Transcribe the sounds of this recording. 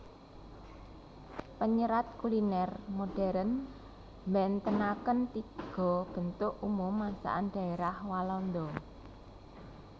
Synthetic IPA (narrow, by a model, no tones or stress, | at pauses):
pəɲəɾat̪̚kulinɛrmoɖ̥ɛɾən | mbɛnt̪ənakənt̪iɡ̥ɔ̤b̥ə̤nt̪ʊʔumʊmːasa̰ʔanɖ̥ä̤eɾahwalɔnd̪ɔ